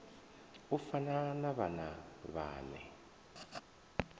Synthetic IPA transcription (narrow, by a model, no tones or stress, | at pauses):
ufananaβanaβa̰ːnɛ̰